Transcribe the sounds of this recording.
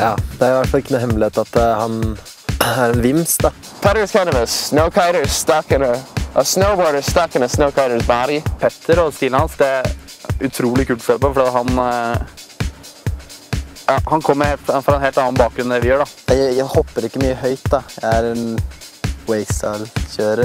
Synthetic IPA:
jɑːd̪ɛæɾjʊʋæʈfɑlɪkːənuːhɛmlɪeːt̪ɑt̪hɑn | æɾɛnʋɪmst̪d̪ɑ | pʰɛɾəskʰãɪ̃nəvəsnoʊkʰeɪɾə˞st̪ɑkənəəsnoʊbɔːɹɾə˞st̪ɑkənəsnoʊkʰaɪɾə˞sbæɾpʰɛt̪ʰːəɾɔst̪ɪləhɑnsd̪ɛæɾ | ʉt̪ʰɾuːlɪkʰʉːt̪ɔsɛlpɔfɔɖiːɑt̪ɦɑn | jɑhɑnkʰɔmːəɾffɾɑɛnɦeːlt̪ɑnːɑnbɑːk̚ɡɾʉnd̪ɛʋɪjøːɖɑnæjæjæɪhɔpːəɾɪkːəmyːəhœʏt̪d̪ɑjæɪæɾɛn | weɪsɑlçøːɾə

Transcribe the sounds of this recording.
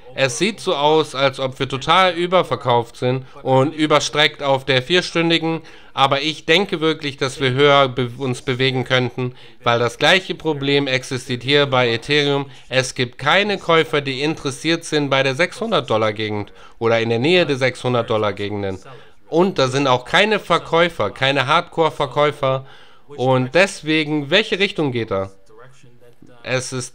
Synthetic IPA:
ʔɛsz̥iːtz̥oːʔaʊsalsʔɔpv̥iːɐtʰotʰaːlʔyːbɐfɛɐkʰaʊftz̥ɪnt | ʔʊntʔyːbɐʃtʁ̥ɛktaʊfd̥eːɐfiːɐʃtʏndɪɡŋ̩ | ʔaːbɐɪçd̥ɛŋkəvɪɐklɪçd̥asv̥iːɐɦøːɐbʊnsb̥əveːɡŋ̩kʰœntn̩ | vaɪldasɡ̥laɪçəpʁ̥obleːmɛksɪstʰiːɐthiːɐbaɪetʰeːʁiʊm | ʔɛsɡ̥iːp̚t̚kʰaɪnəkʰɔʏfɐdiːɪntəʁɛsiːɐtz̥ɪnt̚b̥aɪɾeːɐzɛkshʊndɐt̚d̥ɔlaɡeːɡŋ̩t | ʔoːɾɐɪndeːɐneːədeːɐzɛkshʊndɐt̚d̥ɔlaɡeːɡŋ̩dən | ʔʊnt̚d̥aːzɪntaʊxkʰaɪnəfɛɐkʰɔʏfɐkʰaɪnəɦaːɐtkʰoːɐfɛɐkʰɔʏfɐ | ʔʊnt̚d̥ɛsv̥eːɡŋ̩vɛlçəʁɪçtʊŋɡeːt̚d̥aː | ʔɛsɪst

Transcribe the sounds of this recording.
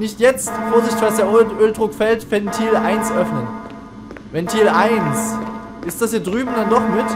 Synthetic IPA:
nɪçtjɛt͡stfoːɐzɪçtɪ̥çv̥asd̥eːɐʔøːldʁʊkfɛltfɛntʰiːlʔaɪnsʔœfnən | vɛntʰiːlʔaɪns | ʔɪstd̥ashiːɐdʁyːbm̩dandɔχmɪt

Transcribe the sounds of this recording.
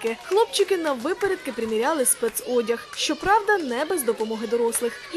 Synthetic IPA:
kɪxlˠɔp̚t͡ʃɪkɪnɐʋɪpeɾʲɛd̪̚kɪpɾɪmʲiɾʲɑlˠɪspɛt̪sɔdʲɐxʃt͡ʃɔpɾɑwd̪ɐnɛbɛzd̪ɔpɔmɔɦɪd̪ɔɾɔslˠɪx

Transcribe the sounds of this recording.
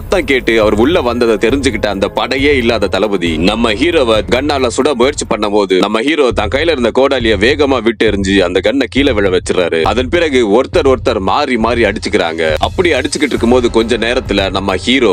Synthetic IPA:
t̪ːãːkeːʈːɯɐʋɐɾʊɭːɐʋɐnd̪ɐðɐt̪ɛɾɪɲd͡ʒɯkːɪʈːɐːnd̪ɐpɐɽɐjeːɪlːaːðɐt̪ɐlɐʋɯðinɐmːɐɦiːɾoːʋɐɡɐɳːaːlɐsʊɽɐmʊjɐɾt͡ʃipɐɳːɐpoːðɯnɐmːɐhiːɾoːt̪ãːŋkɐjːɪlɐɪɾɯnd̪ɐkoːɽaːlɪjɐʋeːɣɐmaːʋiʈːɛɾɯɲd͡ʒɯɐnd̪ɐɡɐɳːɐkiːlɐʋɛɭɐʋɛt͡ʃːɯɾa̰ːɾɯɐðɐnpɪɾɐɣɯɔɾɯt̪ːɐɾɔɾɯt̪ːɐɾmaːɾimaːd̪ɾiɐɽɯt͡ʃːɯkːɪɾa̰ːŋɡɐʔɐpːɐɽɪiɐɽɪt͡ʃːɯkːɪʈːrɾɯkːɯmpoːðɯkɔɲd͡ʒɔ̃neːɾɐt̪ːɪlɐnɐmːɐhiːɾoː

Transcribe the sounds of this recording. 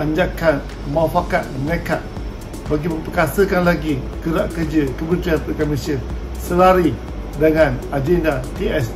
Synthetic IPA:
ʔaɲd͡ʒakan | mãfakat̪̚nəka̰ʔ̚ | baɡimə̃mpəkasəkanlaɡi | kəɾaʔkərd͡ʒəkəbənt̪ɾianpəkamisiən | səlaɾi | dəŋãnad͡ʒɛndat̪eɛs

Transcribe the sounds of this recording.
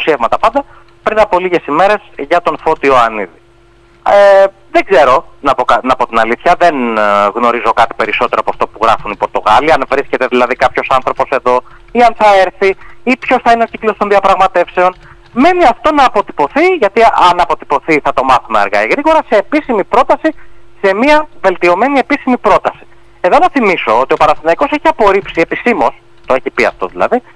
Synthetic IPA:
usievmɐt̪ɐpɐnd̪ɐ | pɾinɐpo̞liʝe̞sime̞ɾe̞sʝɐt̪o̞nfo̞t̪io̞ɐniði | e | ðeɡze̞ɾo̞nɐpokɐnɐpo̞t̪inɐliθçɐðe̞nɣno̞ɾizo̞kɐt̪i̥pe̞ɾiso̞t̪e̞ɾoɐpoɐft̪o̞puɣɾɐfunipo̞ɾt̪oɣɐliɐnvɾisce̞t̪e̞ðilɐðikɐpço̞sɐnθɾo̞po̞se̞ðo̞ | iɐnθɐeɾθiipço̞sθɐineo̞ciklo̞st̪o̞nðiɐpɾɐɣmɐt̪e̞fse̞o̞n | me̞niɐft̪o̞nɐːpo̞t̪i̥po̞θiʝɐt̪iʔɐnɐpo̞t̪i̥po̞θiθɐt̪o̞mɐθumeɐ̰ɾɣɐ̰iɣɾiɣo̞ɾɐse̞ːpisimipɾo̞t̪ɐsise̞miɐve̞lt̪io̞me̞nie̞pisimipɾo̞t̪ɐsi̥ | e̞ðo̞nɐθimiso̞ot̪io̞pɐɾɐst̪inɐiko̞seçiɐpo̞ɾipsie̞pisimo̞s | t̪o̞e̞çipiɐ̰ft̪o̞ðilɐ̰ði

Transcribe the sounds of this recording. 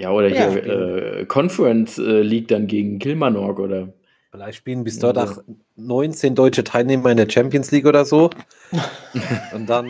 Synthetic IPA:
jaːʔoːɾɐhiːɐʔɛ̰ːkʰɔnfəʁɛnsʔɛːliːk̚d̥anɡeːɡŋ̩kʰɪlmanɔɐkʔoːɾɐ | fɪlaɪçtʃpiːlənbɪsd̥ɔɐtax | nɔʏnt͡seːndɔʏt͡ʃətʰaɪlneːmɐɪndeːɐt͡ʃɛmpjənsliːkʔoːɾɐzoː | ʔʊntd̥an

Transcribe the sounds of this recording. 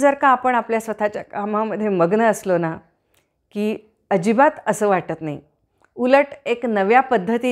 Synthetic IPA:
d͡zəɾkaːpəɳapljasʋət̪ʰat͡ɕjakamaməd̪ʱːjeməɡnəːslona | kiː | əd͡ʑibat̪əsəːʋaʈət̪naɦi | uləʈeknəʋjapəd̪ʱːət̪iː

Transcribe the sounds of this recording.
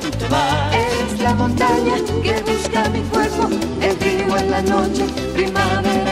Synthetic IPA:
eseslamont̪aɲakeɣuskamikweɾko | emfiɣoenlanot͡ʃe | pɾimae

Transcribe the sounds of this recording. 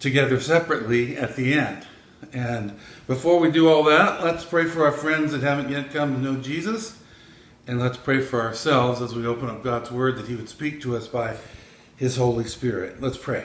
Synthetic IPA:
tʰɨɡɛðə˞sɛpɹɨtˡliɨt̪̚ðiɛ̃nd | ɨ̃nb̥ɨfɔɹwidɨɔlˠðætlətspʰɹ̥eɪfə˞aʊə˞fɹɛ̃ndzðɨt̚ɦævɨ̃nʔjɛt̚kʰʌ̃mtɨnoʊd͡ʒizəs | ɨ̃nlətspʰɹ̥eɪfə˞ə˞sɛlˠvzəzwioʊpə̃nʌp̚ɡ̥ɑdzwɜ˞d̪̚ðɨt̚hiwɨd̥spik̚tʰɨʌsb̥aɪ | ɪz̥hoʊlˠispɪɹɪ̰t̚lətspʰɹ̥eɪ

